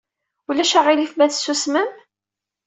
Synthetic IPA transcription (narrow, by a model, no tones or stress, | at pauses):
ulæʃaʁilifmæθsːusməm